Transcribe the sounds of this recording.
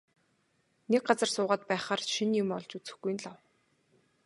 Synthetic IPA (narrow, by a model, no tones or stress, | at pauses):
nek̚ɢat͡sə̆rsʊːʁaːt̪̚pæːχaːrʃinjʊmɔɮt͡ɕut͡sɘ̆xɡujnɮaw